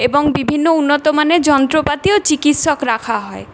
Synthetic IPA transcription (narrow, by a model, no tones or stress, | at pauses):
eboŋbibʱinːounːɔt̪omaned͡ʒɔnt̪ɾopat̪iot͡ɕikit̪ʃɔkɾakʰaɦɔe